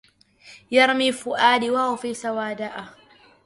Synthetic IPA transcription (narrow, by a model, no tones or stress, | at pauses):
jɐɾmiːfʊʔaːdiwaːufisɐwaːdaʔaː